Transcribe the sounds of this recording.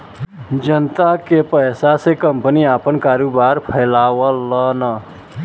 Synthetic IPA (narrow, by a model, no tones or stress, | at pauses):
d͡ʒənt̪akepəːsasekə̃mpniaːpənkaːɾobaːɾpʰəɪlaːwələnə